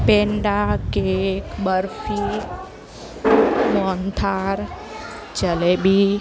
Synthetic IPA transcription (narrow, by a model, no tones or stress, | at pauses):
peɳɖakekbəɾfi | mɔnt̪ʰaɾ | t͡ʃəlebʱi